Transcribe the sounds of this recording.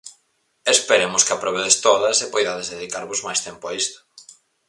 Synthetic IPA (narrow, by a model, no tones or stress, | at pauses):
espeɾemʊskɪapɾoβeðest̪oðɐsepojðaðezðeðikaɾβozmajst̪empʊaist̪ʊ̥